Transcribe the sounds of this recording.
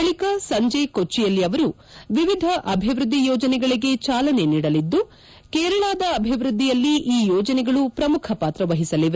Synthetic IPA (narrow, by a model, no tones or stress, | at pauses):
ɐɭikɐsɐɲd͡ʒeːkot͡ʃːijɐlːiɐʋɐɾu | ʋiʋid̪ʱɐʔɐbʱiʋɾud̪ːijɔːd͡ʒɐnɛɡɐɭiɡe̞t͡ʃaːlɐne̞niːɽɐlid̪ːu | kɛːɾɐɭaːd̪ɐːbʱiʋɾud̪ʱːijɐlːiʔiːjɔːd͡ʒɐnɛɡɐɭupɾɐmukʰɐpaːt̪ɾɐʋɐɦisɐliʋ